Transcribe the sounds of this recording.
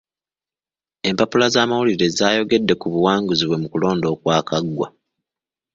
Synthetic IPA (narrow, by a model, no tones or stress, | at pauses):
e̞mpapulazaːmawuliɾe̞zaːjo̞ɡe̞dːe̞kuβuwaːŋɡuziβwe̞mukulo̞ːndo̞ːkwaːkaɡwa̰